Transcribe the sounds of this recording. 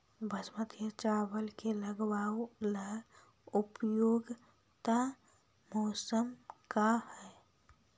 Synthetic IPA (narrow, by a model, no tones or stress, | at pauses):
bʱəsmət̪ʰjət͡ʃaːwəlkeləɡwaːwlə | ʊpjoːɡ | t̪a | mɔːsəmkahɛː